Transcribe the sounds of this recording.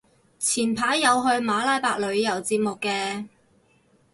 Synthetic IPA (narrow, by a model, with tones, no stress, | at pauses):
t͡sʰiː˨˩npʰaː˨˥jːɐ˨˧wɦɵ˧ɥmaː˨˥laː˨˥jpaː˧k̚lɵ˨˧ɥjɐ˨˩wt͡siː˧p̚mʊ˨kːɛː˧